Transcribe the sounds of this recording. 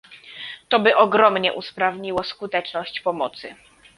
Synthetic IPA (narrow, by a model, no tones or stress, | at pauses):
t̪ɔbɘʔɔɡɾɔmɲɛ̰ʔuspɾavɲiwɔskut̪ɛt͡ʂnɔɕt͡ɕpɔmɔt̪sɘ